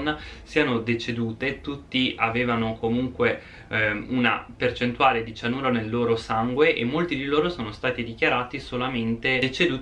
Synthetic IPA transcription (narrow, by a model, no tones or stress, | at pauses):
nːsiːanod̪et͡ʃed̪uːt̪et̪ut̪ːiaveːvanokomuŋkwe | una̰pert͡ʃent̪uaːled̪it͡ʃanuːɾonelːoːɾosaŋɡweʔḛmːolt̪id̪iloːɾosoːnost̪aːt̪id̪ik̟jaɾaːt̪isolament̪eet͡ʃed̪uː